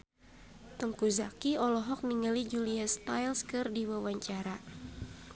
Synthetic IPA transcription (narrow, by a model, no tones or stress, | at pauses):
t̪əŋkuzakiɔlɔɦɔk̚niŋalid͡ʒuliast̪ajlskɨrdiwawaɲt͡ʃaɾa